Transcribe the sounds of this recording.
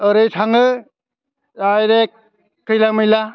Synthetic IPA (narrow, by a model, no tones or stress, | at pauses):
ɯɾɯjsʰaŋɯ | ajɾekː | ɯjlamɯjla